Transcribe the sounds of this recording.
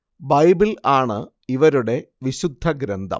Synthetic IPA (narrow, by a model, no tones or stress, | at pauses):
bɐjbilaːɳɨ | iʋɐɾuɽe̞ʋiɕud̪ʱːɐɡɾɐnd̪ʱɐ̰m